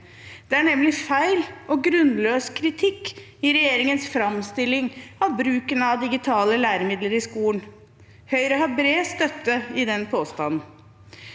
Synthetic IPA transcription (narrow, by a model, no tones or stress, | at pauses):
d̪̥ɛæɳɛmlɪfæɪlʔɔɡɾʉnløːskʰɾɪt̪ʰɪkː | ɪɾɛjeːɾɪŋənsfɾɑmst̪ɪlːɪŋɑʋbɾʉːkənəɑd̪ɪɡɪt̪ʰɑːləlæːɾəmɪd̪ləɾɪskuːən | hœʏɾəɦɑɾbɾeːst̪œt̪ːəɪd̪ɛnpʰoːst̪ɑnn̩